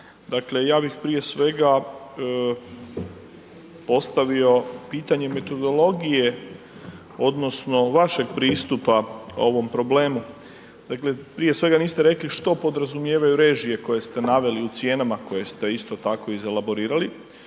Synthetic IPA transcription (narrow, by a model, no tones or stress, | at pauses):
d̪akle̞jaːbixpɾije̞sʋe̞ɡa | po̞st̪aʋio̞piːt̪aɲe̞me̞t̪o̞d̪o̞lˠo̞ɡije̞ | o̞d̪no̞sno̞ʋaʃe̞ɡpɾiːst̪upao̞̰ʋo̞mpɾo̞ble̞ːmu | d̪̥akle̞pɾije̞sʋe̞ɡaniːst̪eɾe̞kliʃt̪o̞po̞d̪ɾazumje̞ːʋajuɾe̞ːʒije̞ko̞je̞st̪e̞naʋe̞liut̪sje̞namako̞je̞st̪e̞ist̪o̞t̪ako̞ize̞labo̞ɾiːɾali